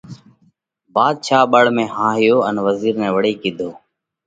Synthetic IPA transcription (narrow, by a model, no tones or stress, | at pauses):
baːd̪̚t͡ʃʰaːɓəɽmẽːɦãːɦɪjoːənʋəziːɾnɛ̃ːʋəɽiːkiːd̪ʱoː